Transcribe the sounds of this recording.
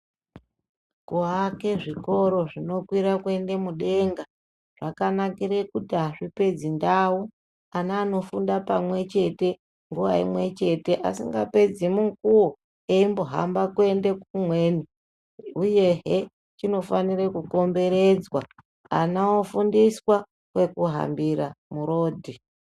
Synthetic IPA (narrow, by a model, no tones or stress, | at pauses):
kuake̞ʐiko̞ɾo̞ʐino̞kwiɾakwe̞nde̞muɗe̞ŋɡa | ʐ̥akanakirekutaʐipe̞d͡zindau | anaːno̞fundapamwe̞t͡ʃe̞te̞ | ŋɡuʋaḭmwet͡ʃe̞te̞ʔa̰sḭŋɡape̞d͡zimuŋkuwo | eimboɦa̰mbakwe̞nde̞kumwe̞ːni | uje̞ɦe | t͡ʃino̞fanirekuko̞mbe̞ɾe̞d͡zwa | a̰naofundiswa | kwe̞kuɦa̰mbiɾamuɾo̞ːdʱi